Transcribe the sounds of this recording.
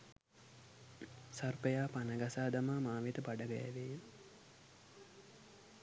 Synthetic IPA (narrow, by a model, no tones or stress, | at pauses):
sarpəjaːpanəɡasaːd̪amaːmaːʋet̪əpaɖəɡɛ̰ːʋej